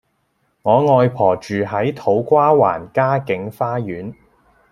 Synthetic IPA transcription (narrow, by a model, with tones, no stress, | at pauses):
ŋɔː˨˧ŋɔː˧jpʰɔː˨˩t͡ʃyː˨ɦɐ˨˥jt̪ʰo˨˥wkʷaː˥wa̰ː˨˩nkaː˥kɪ˨˥ŋfaː˥jyː˨˥n